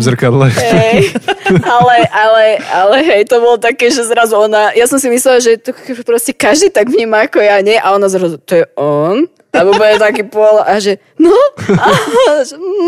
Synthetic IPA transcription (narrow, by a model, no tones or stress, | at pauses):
zɾ̩kad̪lɛɦɛj | alɛʔalɛalɛɦɛjt̪ɔbɔlɔt̪akɛːʒɛzɾazuɔnajasɔmsimislɛlaʒɛt̪ɔkpɾɔscɛkaʒd̪iːt̪aɡvɲiːmaːkɔjaɲɛʔaɔnazɾazut̪ɔjɛʔɔn | aubɛt̪akiːpɔlaʔaʒɛ | nɔaʒɛ